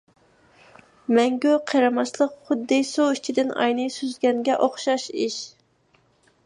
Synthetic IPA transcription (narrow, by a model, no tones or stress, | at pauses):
mɛŋɡʲøqʰeɾɑmɑslˠəqχʊd̪ːɨsuit͡ʃʰid̪ɪnɑ̰jnɨjsyzɡʲɛŋɡʲɛʔoχʃɑʃiʃ